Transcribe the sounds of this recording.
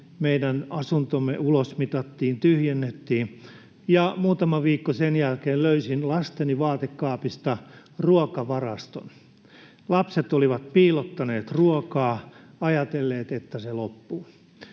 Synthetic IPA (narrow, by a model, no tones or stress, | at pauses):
meidænɑsunt̪omːḛʔulosmit̪ɑt̪ːiːnt̪yhjenːet̪ːiː | jɑmuːt̪ɑmɑʋiːkːosenjælkeːlløysinlɑst̪eniʋɑːt̪ekːɑːpist̪ɑ | ruokɑʋɑrɑst̪o̰n | lɑpset̪oliʋɑt̪̚piːlot̪ːɑneːt̪ruokɑː | ɑjɑt̪elːeːt̪et̪ːæselopːuː